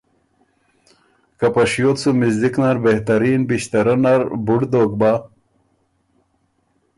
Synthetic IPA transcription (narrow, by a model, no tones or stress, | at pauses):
kɐpɐʂjoːt̪t͡sumizd̪iknaɾbeht̪ɐɾiːnbiɕt̪ɐɾɐnɐɾbuɽd̪oːk̚ba